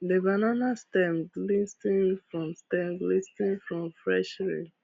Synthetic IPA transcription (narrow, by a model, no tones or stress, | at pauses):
devananastɛ̃mdlistĩŋfɹɔ̃mstɛ̃mlistĩŋfɹɔ̃mfɹɛʃɹḭ